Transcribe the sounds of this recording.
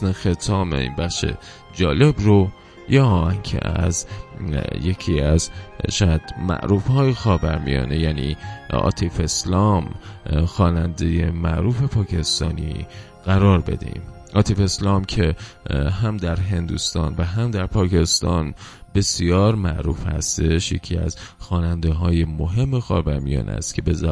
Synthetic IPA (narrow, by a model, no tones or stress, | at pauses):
nexe̞t̪ʰɒːmḛḭnbæχʃe̞̰ | d͡ʒɒːle̞bɾo | jɒːɒæŋcʰḛʔæz | je̞kʰiːæzʃæd̪mæ̰ʔɾuːfhɒːjexɒːbæɾmḭjɒ̰ːne̞jæːnḭɒ̰ːt̪ʰife̞slɒːmxɒːnænd̪e̞je̞mæʔɾuːfe̞pʰɒːkʰe̞st̪ɒːnḭ | ɣ̥æɾɒːɾbe̞̰d̪ḛḭm | ʔɒːt̪ʰife̞slɒːmcʰe̞ | ɦæmd̪æɾɦe̞nd̪uːst̪ɒːnvæɦæmd̪æɾpʰɒːcʰe̞st̪ɒːnbe̞sijɒːɾmæʔɾuːfhæ̰st̪e̞ʃje̞̰cʰiːæ̰zxɒːnænd̪eɦɒːje̞moɦe̞mːexɒ̰ːvæɾmijɒ̰ːnʔæ̰st̪cʰe̞bez